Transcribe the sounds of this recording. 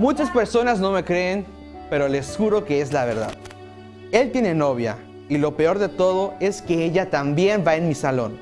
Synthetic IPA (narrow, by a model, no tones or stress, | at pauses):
mut͡ʃaspe̞ɾso̞nazno̞me̞kɾe̞ːn | pe̞ɾo̞le̞sxuɾo̞kee̞zlaβ̞e̞ɾða̰ð | e̞lt̪je̞ne̞no̞β̞ja̰ | ilo̞pe̞o̞ɾðe̞t̪o̞ð̞o̞e̞ske̞e̞ʝat̪ambje̞mbae̞nmisalo̞̰n